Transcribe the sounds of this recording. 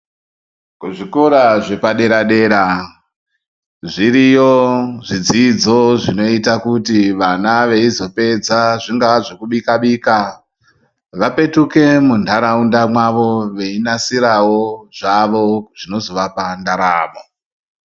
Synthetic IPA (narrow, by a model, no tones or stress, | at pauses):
kuʐiko̞ɾaʐe̞paɗe̞ɾaɗe̞ːɾa | ʐiɾijoʐid͡zid͡zoʐino̞itakutiʋanaʋe̞izo̞pe̞d͡zaʐiŋɡaʐokuɓikaɓiːka | ʋape̞tuke̞mundʱaɾaundamwaʋo̞ʋe̞inasiɾawo̞ʐ̥aʋo̞ʐ̥ino̞zo̞ʋapandaɾa̰ːmo